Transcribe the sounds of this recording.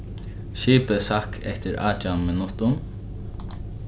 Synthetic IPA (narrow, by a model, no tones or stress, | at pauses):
ʃiːpəsakʰɛht̪ɪɾa̰ːt͡ʃamːɪnʊht̪ʊm